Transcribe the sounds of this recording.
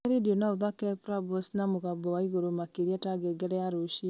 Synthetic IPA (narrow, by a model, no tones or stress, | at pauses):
ɛɾedionaoðakɛpɾabɔsnamoɣabɔwaiɣoɾomakeɾiɛtaɡɛɡɛɾɛaɾoʃi